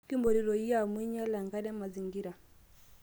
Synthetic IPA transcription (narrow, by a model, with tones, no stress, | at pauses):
ki˦mbɔ˨ɾi˨ɾɔ˨i˦ja˦mwi˦ɲa˦la˨ŋɡa˦ɗɛ˦ma˨zi˨ŋɡi˦ɾa˨